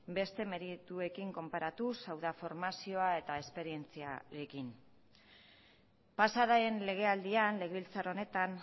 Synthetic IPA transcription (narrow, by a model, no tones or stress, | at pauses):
be̞st̪e̞me̞ɾit̪ue̞kiŋko̞mpaɾat̪usawðafo̞ɾmasio̞ae̞t̪ae̞spe̞ɾie̞nt͡sia̰ɾe̞kin | pasaɾaenle̞ɣ̞e̞ald̪ianle̞ɣeβilt͡saɾo̞ne̞t̪an